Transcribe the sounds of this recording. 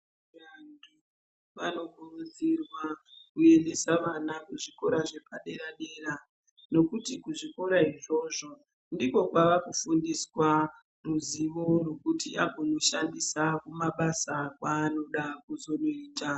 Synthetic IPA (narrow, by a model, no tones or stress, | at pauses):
ʋandʰu | ʋano̞ɡʱurud͡zirwakue̞nde̞saʋanakuʐiko̞ɾaʐe̞paɗe̞ɾaɗe̞ːra | no̞kutikuʐiko̞ɾaiʐo̞ʐo̞ | ndiko̞kwaʋakufundiswa | ruziʋo̞rokutiʔaɡʱono̞ʃandisakumaɓasakwaːno̞ɗakuzo̞noiːta